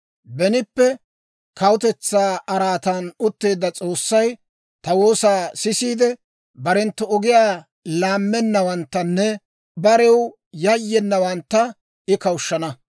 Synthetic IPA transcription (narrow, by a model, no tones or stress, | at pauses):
bɛnɪpːɛ | kɐwʊt̪ɛt͡sːaːɐɾaːt̪ɐnʊt̪ːe̞ːd̪ːɐt͡sʼoːsːɐj | t̪ɐwo̞ːsaːsɪsiːd̪ɛ | bɐɾɛnt̪ːʊɔɡɪjaː | laːmːɛnːɐwɐnt̪ːɐnːɛ | bɐɾɛw | jɐjːɛnːɐwɐnt̪ːɐ | ɪkɐwʊʃːɐnɐ